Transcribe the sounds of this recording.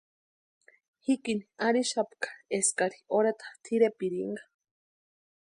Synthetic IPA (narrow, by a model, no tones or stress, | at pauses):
hikiniaɾiʃapkḁeskaɾioɾat̪ḁt̪ʰiɾepiɾiŋɡḁ